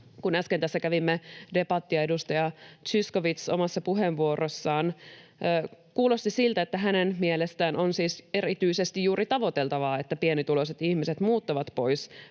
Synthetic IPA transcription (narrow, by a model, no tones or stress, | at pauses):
kunæskent̪æsːækæʋimːede̞pɑt̪ːiɑe̞dust̪ɑjɑtt͡ʃisko̞ʋit̪so̞̰mɑsːɑpuɦenʋuorosːɑːnː | kuːlo̞st̪isilt̪æet̪ːæɦænenmielest̪æːnʔo̞nsiːse̞ɾit̪yise̞st̪ijjuːɾit̪ɑʋo̞t̪e̞lt̪ɑʋɑːe̞t̪ːæpienit̪ulo̞set̪ihmiset̪muːt̪ːuʋɑt̪po̞js